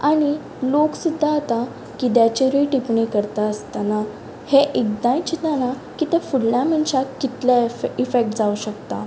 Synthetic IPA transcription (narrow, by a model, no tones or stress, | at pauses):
aɽ̃i | loksud̪ʱːaat̪a | kid̪jat͡ɕeɾiʈipɳikəɾt̪aəst̪ana | heʔek̚d̪ãjt͡ɕit̪ana | kit̪ɛ̃fuɽljam̤əɳɕakit̪laifek̚ʈd͡zauɕəkt̪a̰